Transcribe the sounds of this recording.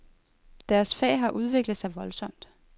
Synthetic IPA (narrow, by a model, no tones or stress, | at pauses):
d̥æɐsfɛ̰ːɪɦɑ̈ʔuð̞ˠʋe̝ɡ̥ləð̩ˠsɑ̈ɪʋɒ̽lsɒ̽m̰d̥